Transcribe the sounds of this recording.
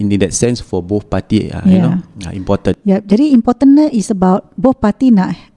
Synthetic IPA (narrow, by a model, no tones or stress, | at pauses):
inĩndɛtsɛ̃nsfɔboθpatia̰jnoa̰ĩmpɔtə̃njɛp̚d͡ʒadiĩmpɔt̪ə̃nːəʔisəbaʊt̚boθpat̪inaʔ